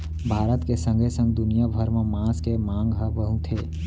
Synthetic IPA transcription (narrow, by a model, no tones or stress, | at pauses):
bʱaːɾət̪kesə̃ŋɡesə̃ŋɡ̚d̪ʊnijabʱəɾmẽmãːskemãːŋɡɦəbəɦũt̪ʰeː